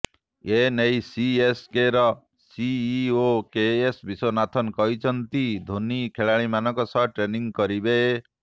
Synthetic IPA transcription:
enejsieskeɾɔ | siːokeesbisonat̪ʰɔnkɔɦit͡ʃʰɔnt̪id̪ʱonikʰeɭaɭ̃imanɔkɔsɔɦʈɾeniŋɡkɔɾibe

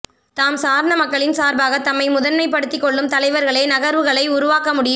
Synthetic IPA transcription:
t̪aːmsaːɾɐɳɐmɐkːɐɭɪnsaːɾbaːɣɐt̪ːɐmːɐɪmʊðɐnmɐɪpɐɽɯt̪ːɪkːɔɭːɯmt̪ɐlɐɪʋɐɾɣɐɭeːnɐɣɐɾʋɯɣɐɭɐɪʊɾʊʋaːkɐmʊɽɪjɯm

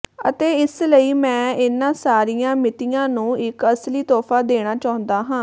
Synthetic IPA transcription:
ə̰t̪eːɪsləiːmɛ̃ːɪnːãːsaːɾijãːmɪt̪ijãːnũːɪkəsliːt̪ɔːfʰaːd̪eːɽ̃aːt͡ʃaːʊ̃nd̪aːɦãː

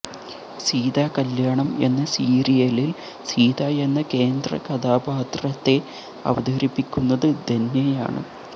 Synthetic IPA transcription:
siːd̪aːkɐljaːɳɐme̞̰nːɐsiːɾijɐlil | siːd̪aːe̞nːɐke̞ːnd̪rɐ̰kɐd̪aːbaːt̪rɐt̪ːe̞ | ɐ̰ʋɐd̪ʱɐɐɾipːikʲːunːɐðɨd̪ʱenjɐja̰ːɳɨ̰

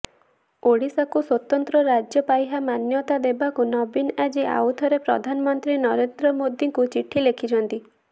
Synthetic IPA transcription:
oɽisakuswɔt̪ɔnt̪ɾɔɾad͡ʒjɔpajɦamanjɔt̪ad̪ebakunɔbinad͡ʒiʔa̰wt̪ʰɔɾepɾɔ̰d̪ʱanɔmɔnt̪ɾinɔɾend̪ɾɔmod̪iŋkut͡ʃiʈʰːilekʰit͡ʃʰɔnt̪i

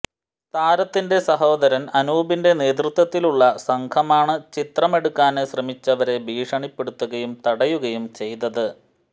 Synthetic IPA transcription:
st̪ʰaːɾɐt̪ːinde̞sɐɦo̞ːd̪ɐɾɐnɐnuːbinde̞ne̞ːt̪̬rut̪wɐt̪ːiluɭːɐsɐŋkʰɐmaːɳɨt͡ɕit̪rɐme̞ɽukːaːneɕrɐmit͡ɕːɐʋɐɾe̞bʱiːʂɐɳipːe̞ɽut̪ːuɣɐjumt̪ɐɽɐjuɣɐjumt͡ɕe̞jt̪ɐðɨ

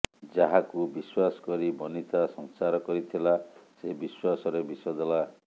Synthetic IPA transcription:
d͡ʒaɦakubiswasɔ̥kɔɾibɔnit̪asɔŋsaɾɔkɔɾit̪ʰilasebiswasɔɾebisɔd̪ela

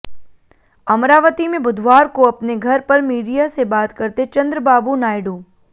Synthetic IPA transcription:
ɐmɾaːʋət̪imẽbʊd̪ʱʋaːɾkoɐpneɡʱɐɾpəɾmiːɖijasebaːt̪kəɾt̪et͡ʃə̃nd̪ɾəbaːbunaːjɖũː

